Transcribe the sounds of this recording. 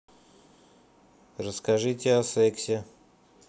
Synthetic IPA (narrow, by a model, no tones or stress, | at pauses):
rəskaʐɨtʲɪasɛksʲe